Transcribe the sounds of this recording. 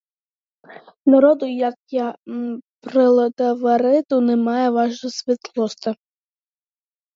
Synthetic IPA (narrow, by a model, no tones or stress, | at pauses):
nɐɾɔd̪ʊjɐkja | pɾɪlˠɐt̪ɐʋɐɾɪt̪ʊnɛmɑjɛʋɑʒnʊsʲʋʲit̪lˠɔst̪ɐ